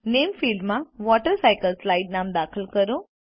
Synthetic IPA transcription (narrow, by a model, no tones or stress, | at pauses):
nemfilɖmãʋɔʈəɾsajkəlslaiɖnamd̪akʰəlkəɾo